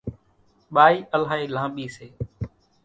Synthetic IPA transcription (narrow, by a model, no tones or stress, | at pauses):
ɓaːiːʔəlaːeːlãːɓiːseː